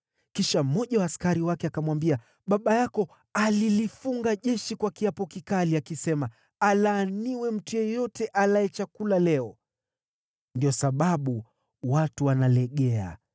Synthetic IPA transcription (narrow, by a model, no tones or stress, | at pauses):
kiʃam̩mɔʄawaːskaɾiwakɛakamwambia | ɓaɓajakɔ | alilifuŋɡaʄɛʃikwakiapɔkikaliakisɛma | alaːniwɛm̩tujɔjɔtɛʔalajɛt͡ʃakulalɛɔ | ndiɔsaɓaɓu | watuwanalɛɠɛa̰